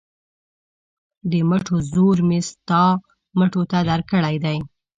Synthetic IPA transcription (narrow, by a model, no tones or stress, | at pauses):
d̪əməʈozoɾmɪst̪ɑ | məʈot̪ad̪aɾkəɽajd̪aj